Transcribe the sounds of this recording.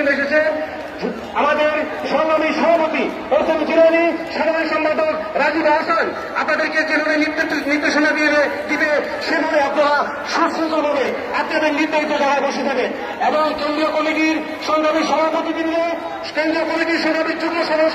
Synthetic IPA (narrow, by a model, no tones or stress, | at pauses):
oneʃet͡ɕʰe | amad̪eɾʃɔŋd̪amiʃɔbʱapot̪i | oɾset̪id͡ʑiɾaniʃaamiʃɔmpad̪okɾad͡ʑibaʃan | anad̪eɾkekenoɾenid̪niɾd̪eʃonab̪iebed̪ibe | ʃebʱabeapnaɾa | ʃuɾʃut̪obʱabe | apnad̪eɾniɾd̪aɦit̪ːod̪aɾaɾboʃit̪ʰake | eboŋkend̪ɾiokomiʈiɾ | ʃɔnd̪ʱabiɾʃɔbʱapot̪it̪ind̪o | kend̪ɾiokomiʈiɾʃɔŋb̪ʱabik̚t̪ukːoʃɔbo